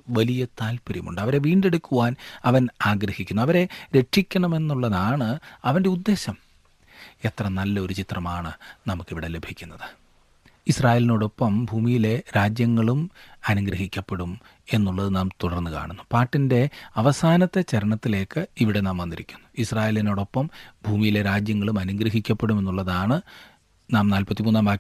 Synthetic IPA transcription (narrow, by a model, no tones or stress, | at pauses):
ʋɐlijɐt̪aːlpɐɾjɐ̰mṵɳɖɨɐʋɐɾe̞ʋiːɳɖe̞ɽukːuʋaːnɐʋɐnaːɡɾɐhikʲːunːuɐʋɐɾe̞ɾe̞ʂikʲːɐɳɐme̞nːuɭːɐðaːɳɨɐʋɐnde̞ud̪ːe̞ːɕɐm | e̞t̪rɐnɐlːɐo̞ɾut͡ɕit̪rɐmaːɳɨnɐmukːiʋiɽe̞le̞bʱikʲːunːɐðɨ̥ | israːje̞ːlinoːɽo̞pːɐmbʱuːmijile̞ɾaːd͡ʑjɐŋːɐɭumɐnuɡɾɐɦikʲːɐpːeɽum | e̞nːuɭːɐðɨnaːmt̪uɽɐrnːɨka̰ːɳunːupaːʈːinde̞ɐʋɐsaːnɐt̪ːe̞t͡ɕɐɾɐɳɐt̪ːile̞ːkːɨiʋiɽe̞naːmʋɐnd̪iɾikʲːunːu̥israːje̞ːlino̞ːɽo̞pːɐmbʱuːmijile̞ɾaːd͡ʑjɐŋːɐɭumɐnuŋɡɾɐɦikʲːɐpːe̞ɽume̞nːuɭːɐðaːɳɨ | naːmnaːlpɐt̪ːimuːnːaːmbaː